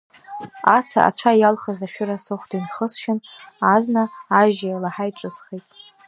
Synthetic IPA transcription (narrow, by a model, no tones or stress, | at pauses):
at͡sʰa̰ʔa̰t͡ʃʷʰajalχazaʃᶣʊɾasoχʷd̥inχəsʃɪnaznaaʒajalaħajʈ͡ʂʼɨsχejtʼ